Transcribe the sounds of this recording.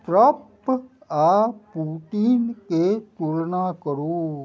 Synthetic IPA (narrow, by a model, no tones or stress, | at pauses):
ʈɾəp | apuʈinket̪ulnakəɾu